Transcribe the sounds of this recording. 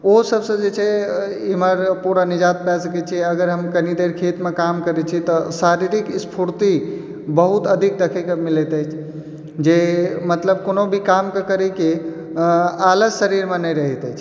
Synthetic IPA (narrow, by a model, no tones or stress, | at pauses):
osəbsə̃d͡ʒet͡ʃʰɛ | iməɾpuɾanid͡ʒat̪̚pɛsəkɛt͡ʃʰiəɡəɾɦəmkənid̪eɾkʰet̪mekamkəɾɛt͡ʃʰit̪ɔsaɾiɾikspʰuɾt̪i | bəɦut̪əd̪ʱik̚d̪ekʰikəmilɛt̪əjt͡ʃʰ | d͡ʒemət̪ləb̚konobʱikamkekəɾɛke | aləd͡ʒsəɾiɾmenəɾəɦɛt̪ɛjt͡ʃʰ